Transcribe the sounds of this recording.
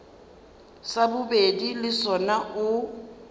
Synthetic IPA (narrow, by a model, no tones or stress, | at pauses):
sabʊbedilɪsɔnaʔʊ